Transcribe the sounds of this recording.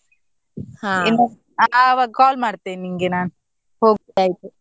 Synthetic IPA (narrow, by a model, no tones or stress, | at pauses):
hainːu | aʋaːɡkaːlmaːɽt̪ːeniŋɡenaːnu | hoːɡaːjit̪u